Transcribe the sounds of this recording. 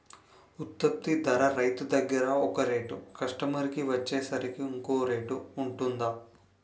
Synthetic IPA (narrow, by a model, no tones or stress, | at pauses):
ut̪ːɐp̚t̪id̪ʱɐɾɐɾɐjt̪ud̪ɐɡɐɾɐɔkɐɾeːʈukɐʂʈɐmɐɾikiʋɐt͡ʃːeːsɐɾikiuŋkoːɾeːʈuuɳʈund̪aː